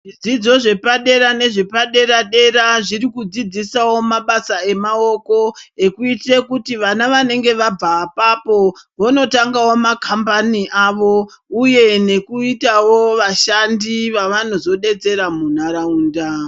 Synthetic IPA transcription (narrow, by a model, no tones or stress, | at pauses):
ʐid͡zid͡zo̞ʐe̞paɗe̞ɾane̞ʐe̞paɗe̞ɾaɗe̞ɾaʐirikud͡zid͡zisawo̞maɓasae̞mao̞ko̞e̞kuite̞kutiʋanaʋane̞ŋɡe̞ʋab͡vapapo̞ʋono̞taŋɡawo̞makʰambaniʔaʋo | uje̞ne̞kuitawo̞ʋaʃandiʋaʋano̞zo̞ɗe̞t͡se̞ɾamun̤aɾauːnda